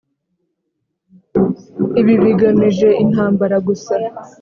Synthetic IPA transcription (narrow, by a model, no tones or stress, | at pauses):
iβiβiɡamiʒe̞in̥ɦaːmbaɾaɡusa